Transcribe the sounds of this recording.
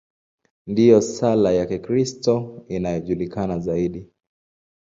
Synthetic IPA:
ndijɔsalajakikɾistɔinajɔʄulikanazaiɗi

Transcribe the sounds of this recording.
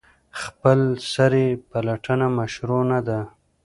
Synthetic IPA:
xpəlsaɾepalaʈənamaʃɾonad̪a

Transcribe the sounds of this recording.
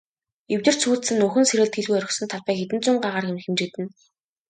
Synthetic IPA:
ewʲt̪ɘ̆r̥t͡ɕʰuːt̪sɘ̆nːɵxɵ̆nseɾɘ̆ɮt̪xeɮɣuːjœɾʲɪ̆xsɵ̆nt̪ʰɔɮpæːxet̪̬ɘ̆nt͡sʊːŋɢaʁaːrxemxemt͡ɕɪ̆kt̪ɘ̆n

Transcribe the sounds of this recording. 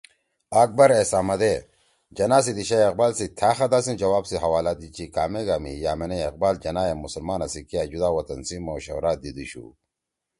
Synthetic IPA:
ak̚bɐɾesaːmɐd̪e | d͡ʑɐnaːs̬id̪iɕajɐq̚baːlsit̪ʰaːxɐd̪asind͡ʑɐwaːbsiɦɐwaːlad̪it͡ɕikaːmeɡamḭjaːmeneeq̚baːld͡ʑɐnaːjemusɐlmaːnɐsikijaːd͡ʑud̪aːwɐt̪ɐnsimoːɕɐ̰wɾaːd̪id̪uɕṵ

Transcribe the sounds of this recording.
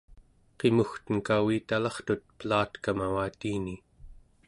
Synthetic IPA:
qemuxt̪ənkawiːt̪alɑχt̪ut̪̚pəlaːt̪kamawaːt̪iːni

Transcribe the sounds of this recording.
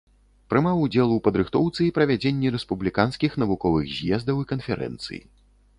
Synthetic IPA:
pɾɨmawud͡zʲɛlˠuwpɐd̪ɾɨxt̪ɔwt̪sɨipɾɐvʲad͡zʲenʲːiɾɛspublʲikanskʲixn̪ɐvukɔvɨ̰ɣzʲjɛzd̪ɐwikɐnfʲɛɾɛ̰nt̪sɨ̰jḭ

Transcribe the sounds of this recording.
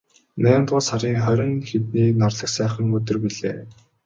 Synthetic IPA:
næːmt̪ʁʊːsaɾiːŋχœɾʲɞ̆nxet̪̚niːknɔrɮə̆ksæːχə̆ŋɵt̪ɵ̆rpiɮeː

